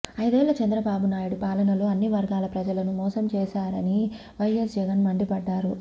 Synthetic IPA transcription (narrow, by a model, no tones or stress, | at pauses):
ɐjd̪ɛːlɐt͡ʃɐnd̪ɾɐbaːbunaːjuɽupaːlɐnɐloɐnːiʋɐɾɡaːlɐpɾɐd͡ʒɐlɐnumɔːsɐmt͡ʃɛːʃaːɾɐni | ʋɐjes̬d͡ʒɛɡɐnmɐɳɖipɐɖːaːɾu